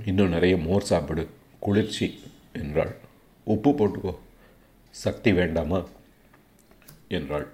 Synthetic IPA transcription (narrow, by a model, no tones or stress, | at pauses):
ɪnːõnɪɾɐjɐmoːɾsaːpɐɽɯ | kʊɭɪɾt͡ʃːi | ɛndra̰ːɭ | ɔpːɯpːoːʈːɯkːoː | sɐk̚t̪iʋeːɳɖaːmɐː | ɛndraːɭ